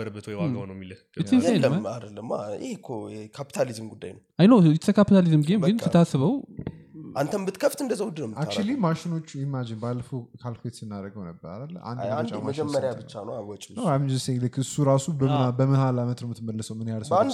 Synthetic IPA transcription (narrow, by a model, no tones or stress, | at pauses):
əɾəbːət̪ʰwɔjwaonəwmːilə | ɨt̪ʰːinɛanːəmad̪əlːəmːa̰jɛkʰoɛkʰapi̥t̪ʰalizɨmɡud̪ːa̰jnəwʔajnəwt̪ʰəkʰapit̪ʰalizɨmɡemɡɨnfɨt̪ʰasɨβəw | ʔant̪ʰənbɨt̪kʰəft̪ɨnd̪əzawud̪nəmak̚t͡ʃulimaʃɪno̞t͡ʃːimːad͡ʒɪnbalːəfəwkʰalfet̪sɨnːaɾəɡəwnəbːə̰ɾa̰d̪əlːə̰ʔa̰nd̰at͡ʃʼːamaəʃd͡ʒɛmːəɾjabɨt͡ʃːanəawɔt͡ʃʼnaamd͡ʒəseləkʰɨɨsuɾasubbəmɨhalamət̪nəmɨt̪ʰɨməlːəsəwmɨnjalsə